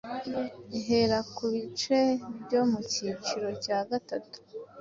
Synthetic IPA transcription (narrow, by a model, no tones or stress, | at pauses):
iɦe̞ɾakuβit͡ʃe̞bɟo̞mucit͡ʃiɾo̞caːɡatatu̥